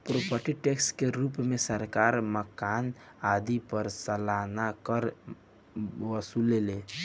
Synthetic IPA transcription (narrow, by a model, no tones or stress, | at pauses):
pɾopʰəʈiʈekskeɾupmesəɾkaɾməkan | ad̪ipəɾsəlanakəɾ | bəsulele